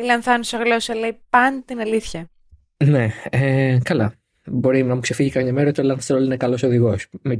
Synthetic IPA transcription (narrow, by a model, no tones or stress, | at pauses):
ilɐnθɐnusɐɣlosɐlejpɐnt̪inɐliθçɐ | neekɐlɐ | bo̞ɾinɐmukse̞fiʝikɐmɲɐmeɾɐot̪ilɐnθeɾolinekɐlo̞so̞ðiɣo̞sme